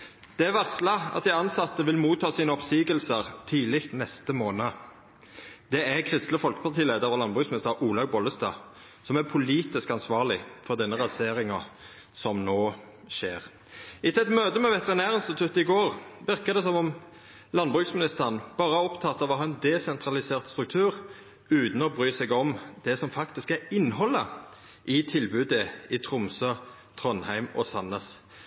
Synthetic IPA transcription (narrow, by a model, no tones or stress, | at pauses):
d̪̥ɛæʋæʁslɑɑ̰t̪̚d̪ɪɑnsɑt̪ːəʋɪlmuːt̪ʰːɑːsiːnəɔpsiːɡəlsəʁt̪ʰiːlɪkt̪nɛst̪əmoːnə | d̪̥ɛækʰʁɪst̪ləfɔlkə̥pʰɑʁt̪ʰiːleːd̪əʁɔlɑnbʁʉːksmɪnɪst̪əʁʔuːlɑʋbɔləst̪ɑ̰ː | sɔmæpʰʊliːt̪ɪskɑnsʋɑːʁlɪfɔʁd̪ɛnːəʁɑseːɾɪŋɑ | sɔmnoː | ʃḛːʁ | ɪt̪ʰɪlɛt̪møːd̪əmɛʋɛt̪əʁɛnæːʁɪnst̪ɪt̪ʰʉt̪ːɪɡoːʁʋɪʁkəd̪ɛsɔmɔm | lɑnbʁʉːksmɪnɪst̪əʁnb̥ɑːʁəɔpt̪ʰɑt̪ːɑʋɔhɑːɛnd̪ɛsɛnt̪ʰɾɑlɪseːʁt̪st̪ɾʉk̚t̪ʰʉːʁ | ʉːt̪n̩ɔbʁyːsɛɡɔmd̪̥ɛsɔmfɑkt̪ɪskæɾɪnːhɔlːə | ʔɪt̪ʰɪlbʉːd̪əɪt̪ʰɾʊmsø | t̪ʰʁɔnhæɪmɔ̰sɑnəs